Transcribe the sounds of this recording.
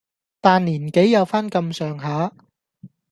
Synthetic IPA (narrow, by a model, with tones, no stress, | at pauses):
t̪aː˨˧nliː˨˩nke˨˥jjɐ˨˧wfaː˥nkɐ˧msœː˨ŋɦaː˨˥